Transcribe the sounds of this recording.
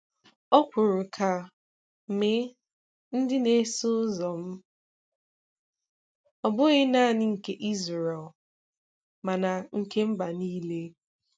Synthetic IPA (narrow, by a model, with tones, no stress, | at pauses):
ɔ˦kʷʊ˨ɾʊ˨kʰa˨ | m̩˨me˦ | n̩˦dɪ˦ne˦sʊ˦zɔ˨m̩˦ | ɔ˨bʊ˦ɣɪ˦na˦˨nɪ˦ŋ̩˨ke˦ʔi˦zɾe˨ɛ˨l | ma˨na˨ŋ̩˨ke˦m̩˦ba˨niː˦le˦